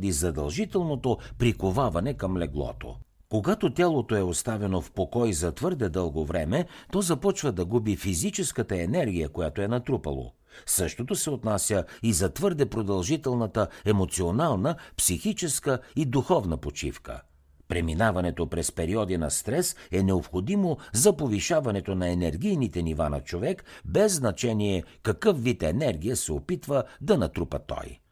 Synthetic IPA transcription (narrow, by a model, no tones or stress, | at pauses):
d̪izɐd̪ɐlˠʒit̪ɛlˠnot̪opɾikovavɐnɛkɐmlɛɡlˠɔ̰t̪o̰ | koɡat̪ot̪ʲalˠot̪oɛost̪avɛnofpokɔjzɐt̪vɤɾd̪ɛd̪ɤlˠɡovɾɛmɛt̪ɔzɐpɔt͡ʃvəd̪ɐɡubifizit͡ʃɛskət̪əɛnɛɾɡʲijəkojat̪oɛnɐt̪ɾupɐ̰lˠo̰ | sɤʃt̪ot̪osɛot̪nasʲjəizɐt̪vɤɾd̪ɛpɾod̪ɐlˠʒit̪ɛlˠnət̪əɛmot̪sionalˠnəpsixit͡ʃɛskəid̪uxɔvnəpot͡ʃḭfkə̰ | pɾɛminavɐnɛt̪opɾɛspɛɾiɔd̪inɐst̪ɾɛsɛnɛopxod̪imozɐpoviʃavɐnɛt̪onɐɛnɛɾɡʲijnit̪ɛnivanɐ̰t͡ʃovɛkbɛzːnɐt͡ʃɛniɛkɐkɤfvit̪ɛnɛɾɡ̟ʲijəsɛopit̪vəd̪ɐnɐt̪ɾupə̰t̪ɔ̰j